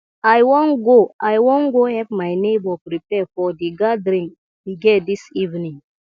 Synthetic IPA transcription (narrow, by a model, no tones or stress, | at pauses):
ajwɔ̃nɡoʔajwõnɡohɛpmajnebɔpɾipɛfɔdiɡadəɾĩŋ | wiɡɛdisivnĩŋ